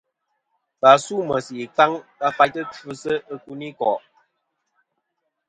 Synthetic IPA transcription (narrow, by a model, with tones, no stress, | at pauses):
pa˨su˦mə˨si˨ka˦ŋka˦pa˨jtə˦tu˦sə˦ʔə˦ku˦ni˦kɔ̰˨ʔ